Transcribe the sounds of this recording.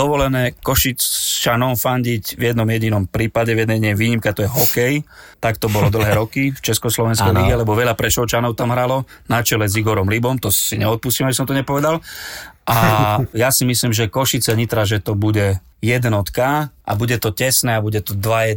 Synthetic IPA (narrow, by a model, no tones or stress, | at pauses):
d̪ɔʋɔlɛnɛːkɔʃit͡st͡ʃanɔʊfaɲɟiɟvjɛd̪nɔmjɛɟinɔmpɾiːpaɟɛvjɛd̪nɛjɲɛʋiːɲimkat̪ɔjɛɦɔkɛjt̪akt̪ɔbɔlɔd̪l̩ˠɦɛːɾɔkift͡ʃɛskɔslɔʋɛnskkɛjliɡɛlɛbɔʋɛʎapɾɛʃɔt͡ʃanɔʊt̪amɦɾalɔ | nat͡ʃɛlɛziɡɔɾɔmlibɔmt̪ɔsiɲɛɔt̪̚puscimabis̬ɔmt̪ɔɲɛpɔʋɛd̪alʔajasimisliːmʒɛkɔʃit͡sɛɲit̪ɾaʒɛt̪ɔbuɟɛ | jɛd̪nɔt̪kaʔa̰buɟɛt̪ɔcɛsnɛːabuɟɛt̪ɔd̪ʋajɛ